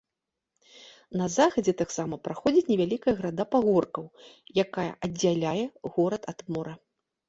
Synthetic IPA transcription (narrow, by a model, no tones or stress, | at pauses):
nɐzaxɐd͡zʲɛt̪aksamɐpɾaxɔd͡zʲit͡sʲnʲɛvʲalʲikɐjɐɣɾad̪apaɣɔrkɐwjakajɐ̰ʔɐd͡zʲːalʲajɛɣɔɾɐt̪ad̪mɔɾɐ